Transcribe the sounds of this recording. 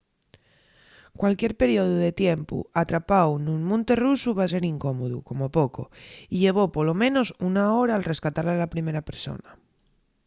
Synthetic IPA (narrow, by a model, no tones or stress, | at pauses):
kwalkjeɾpe̞ɾioðuðe̞t̪jempṵat̪ɾapawnũnmõnt̪e̞rusuβas̬e̞ɾiŋko̞moðṵko̞mopokoiʎe̞β̞o̞polo̞mẽ̞no̞sunaoɾaːlre̞skat̪aɾlealapɾime̞ɾape̞ɾso̞̰na